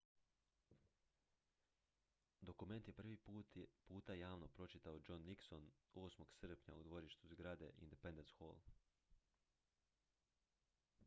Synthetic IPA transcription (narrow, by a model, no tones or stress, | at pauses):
d̪o̞kume̞nt̪je̞pr̩ʋipuːt̪ajaːʋnopɾo̞t͡ʃit̪aod͡ʒo̞nːikso̞no̞ːsmo̞ɡsr̩pɲa̰ud̪ʋo̞ɾiʃt̪uzɡɾad̪e̞̰ʔḭnd̪epe̞nd̪ensxo̰lˠ